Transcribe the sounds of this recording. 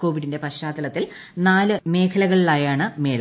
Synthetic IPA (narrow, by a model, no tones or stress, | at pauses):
ko̞ːʋiɽinde̞pɐɕaːd̪ɐlɐt̪ːil | naːlɨme̞ːkʰɐlɐɣɐɭilaːjaːɳɨme̞ːɭ